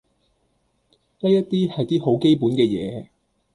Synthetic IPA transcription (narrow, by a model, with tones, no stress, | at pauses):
jɐ˥jɐ˥tt̪iː˥hɐ˨jt̪iː˥ho˨˥wke˥jpuː˨˥nkɛː˧jɛ̰ː˨˧˦